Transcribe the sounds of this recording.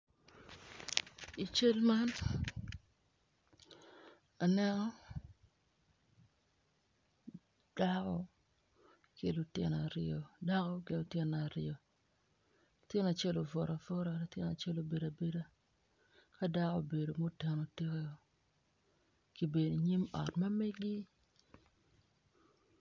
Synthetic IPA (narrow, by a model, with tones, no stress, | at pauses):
i˨t͡ʃe˦lma˦n | a˨nɛ˦nɔ˦ | d̥a˦kɔ̰˨ | ki˨lu˨tɪ̰˨naɾɪo˨da˦ko˦kɪ˨nu˨tjɪ˦na˨ɾɪo˨ | lu˨tjɪ˦na˨t͡ʃe˦lo˨vɔ˨ɾa˨fɔ˦ɾa˨lu˨tjɪ˦na˨t͡ʃe˦lo˨be˨da˨be˦da˦ | ka˦da˦ko˦be˨do˨mo˦te˨no˨ti˦ke˦o˨ | ki˨be˨di˨ɲi˦mɔ̰˨tma˦me˦ɡi˦